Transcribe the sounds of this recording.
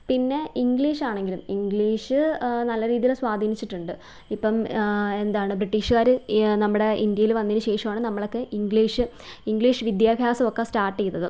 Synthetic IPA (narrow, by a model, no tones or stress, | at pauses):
pinːe̞iŋɡɭiːʂaːɳe̞ŋɡilumiŋɡɭiːʂɨnɐlːɐɾiːðijilswaːd̪ʱiːnit͡ɕːiʈːuɳɖɨ | ipːɐme̞nd̪aːɳɨbɾiʈːiːʂkaːɾɨnɐmːuɽe̞ʔind̪jɐjilʋɐnːinuɕe̞ːʂɐmaːɳɨnɐmːɐɭo̞kːe̞ʔiŋɡɭiːʂɨ | iŋɡɭiːʂɨʋid̪jaːbʱjaːsɐmokːestaːrʈːejːunːɐðɨ